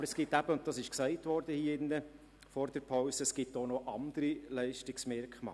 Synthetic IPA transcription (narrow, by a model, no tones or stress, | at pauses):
bəɾɛsɡ̥ɪtːæb̥əʊnt̚tɑsɪʃksɛɪtʋɔɾd̥əhiːəɪnːə | fɔɾd̥ɛɾpʰaʊsəsɡ̥ɪtːonoʔɑnd̪əɾilɛɪʃtɪksmɪɾkχmɑ̰ː